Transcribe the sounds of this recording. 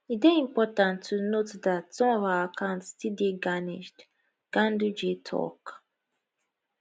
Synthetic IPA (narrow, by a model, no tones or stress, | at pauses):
iteĩmpɔtãntʰːunotdatsɔ̃mɔvaakʰãʊ̃ntstideɡanḭd͡ʒd | ɡ̥ãndud͡ʒetʰɔ̰k